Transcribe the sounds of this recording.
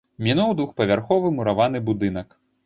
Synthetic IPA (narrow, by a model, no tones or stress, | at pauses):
mʲinuwd̪vuxpɐvʲarxɔvɨmuɾavanɨbud̪ɨn̪ɐk